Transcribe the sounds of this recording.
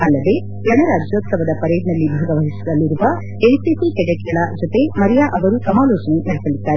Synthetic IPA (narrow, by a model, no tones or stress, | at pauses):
ɐlːɐd̪e̞ | ɡɐɳɐɾaːd͡ʒjoːt̪sɐʋɐd̪ɐpɐɾeːd̪nɐlːibʱaːɡɐʋɐɦisid̪ɐlːiɾuʋɐ | ejsisikɛɽeʈɐɭɐd͡ʒot̪e̞mɐɾɛjaʔɐʋɐɾusɐmaːlɔːt͡ʃɐne̞nɐɽisɐɭid̪ːaːɾe